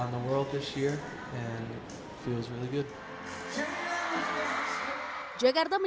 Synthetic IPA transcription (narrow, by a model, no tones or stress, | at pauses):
ʊ̃nðəwɜ˞lˠd̪̚ðɪsjɪɹ | ɨ̃n | filˠzɹɪlˠiɡʊd̥̚ | d͡ʒeɡaɾd̪əm